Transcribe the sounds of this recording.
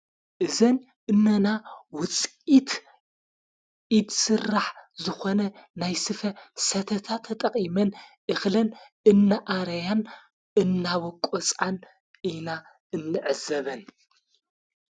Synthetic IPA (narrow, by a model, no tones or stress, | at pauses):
ʔɨzɐn | ʔɨnːɐnawʊt͡sʼit̪ | ʔid̪sɨrːaħzɨxonɐnajsɨfɐsɐt̪ʰɐt̪ʰat̪ʰɐt̪ʼɐqʼimɐnʔɨxlɐn | ɨnːaʔaɾɐjan | ɨnːawɔkʼot͡sʼan | ina | ɨnːɨʕɨzɐβɐn